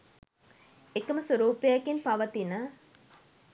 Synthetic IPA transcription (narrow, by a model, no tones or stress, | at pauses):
ekəməsoɾuːpejɐkinpɐʋɐt̪inə